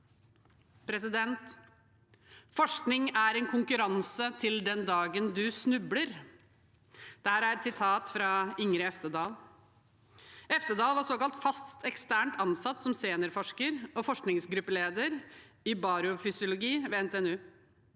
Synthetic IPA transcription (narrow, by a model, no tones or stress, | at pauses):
pʰɾɛsɪd̪ɛnt̪ | fɔʂknɪŋæɾɛnkʰʊŋkʉɾɑnsət̪ʰɪld̪ɛnd̪ɑːɡənd̪ʉsnʉbləɾ | d̪̥ɛhæːɾæɾɛt̪sɪt̪ʰɑːt̪fɾɑɪŋɾəɛft̪əd̪ɑːl | ɛft̪əd̪ɑːlʋɑɾsoːkɑlt̪fɑst̪ɛkst̪æːɳʈɑnsɑt̪ːsɔmseːnəɾfɔʂkəɾɔfɔʂknɪŋsɡɾʉpːəleːd̪əɾɪbɑːɾʊfʏsɪʊlʊɡiːʋeːɛnt̪eːɛnʉː